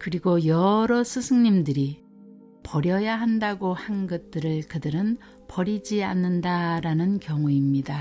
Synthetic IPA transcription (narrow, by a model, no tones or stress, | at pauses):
kɯɾiɡojʌɾʌsʰusʰɯŋɲimdɯɾi | pʌɾjʌjaɦandaɡohanɡʌt̚t͈ɯɾɯɭkɯdɯɾɯn | pʌɾid͡ʑianːɯndaɾanɯnkjʌŋuimɲida